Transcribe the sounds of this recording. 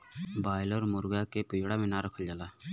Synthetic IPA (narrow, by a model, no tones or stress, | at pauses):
baːɪlɔːɾmʊɾɡaːkeːpiːɽaːmẽːnaːɾəkʰəld͡ʒalaː